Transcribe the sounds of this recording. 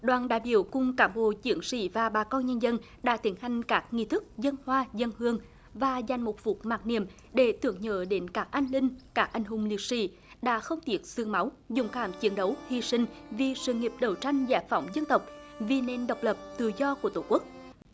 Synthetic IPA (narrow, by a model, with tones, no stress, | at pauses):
ɗwaː˨nɗa̰ː˧˨jɓḭ˧˩əwkʊ˨˩ŋ͡mkaː˨˩mɓo̰˧˩t͡ɕi˨˧˦əŋsḭ˧˥vaː˨˩ɓaː˨˩kɔ˧nɲə˧nzə˧n | ɗa̰ː˧˥t̪i˨˦əŋha˨˩jŋ̟kaː˦˥k̚ŋḭ˧˨t̪ʰɨ˦˥k̚zə˧nhwaː˧zə˧nhɨ˧əŋ | vaː˨˩za˨˩jŋ̟mo˨˩t̚vu˨˩t̚maː˨˩t̚nḭ˧˨əm | ɗe˧˩t̪ɨ˧˨˩əŋɲə̰ː˧˨ɗe˨˦nkaː˦˥k̚ʔaː˧ŋ̟lï˧ŋ̟kaː˦˥k̚ʔa˨˧˩jŋ̟ɦʊ˨˩ŋ͡mli˨˩ək̚sḭ˧˥ | ɗa̰ː˧˥xə˧wŋ͡mt̪i˦˥ət̚sɨ˧əŋma˨˦w | zʊ̰˧˩ŋ͡mkaː˧˩mt͡ɕi˨˦ənɗə˨˦whi˧sï˧ŋ̟vi˨˩sɨ̰˧˨ŋi˨˩əp̚ɗə˨˩wt͡ɕa˧jŋ̟zaː˧˩fa˧˩˦wŋ͡mzə˧nt̪ə˨˩wk͡p̚vi˨˩ne˧nɗə˨˩wk͡p̚lə˨˩p̚t̪ɨ̰˧˨zɔ˧ku˧˩ət̪o˧˩ku˦˥ək̚